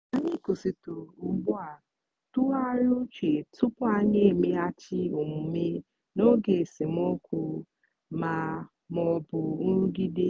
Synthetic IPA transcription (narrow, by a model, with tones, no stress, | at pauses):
a˦ɲɪ˦ku˨si˨tʊ˨ʊ˦bʊ˦a˨ | tu˦a˦ɾʊ˦t͡ʃe˨tʊ˦pʊ˦a˦ɲe˦˨me˦a˦t͡ʃɪ˦o˨m̩ʊ˨me˦ | no˦ɡe˨sɪ˨m̩˦o˦kʷu˨ | ma˨ | m˦ɔ˦bʊ˨n̩˦ɾ̩˦ɡi˦di˦